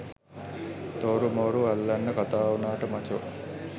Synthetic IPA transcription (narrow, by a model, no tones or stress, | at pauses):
t̪oɾumoːɾuɐlːɐnːɐkat̪aːunaːʈəmɐt͡ʃo